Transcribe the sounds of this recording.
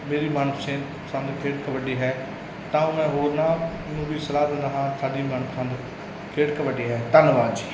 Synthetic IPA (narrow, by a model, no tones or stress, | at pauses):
meːɾiːmaːnpʰsẽː | sə̃nd̪pʰeːʈkəbəɖiːɦɛː | t̪ãːmɛ̃ːɦoːɾnãː | nũːbiːsəɾaːd̪ẽːnd̪aːɦãːsaːɖiːmaːnkʰsə̃nd̪ | pʰeːʈkəbəɖeːɦɛːt̪ənʋaːd͡ʒiː